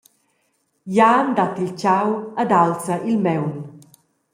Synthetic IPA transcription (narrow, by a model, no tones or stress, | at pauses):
jand̪at̪ilt͡ʃawad̪alsəʔilmɛwn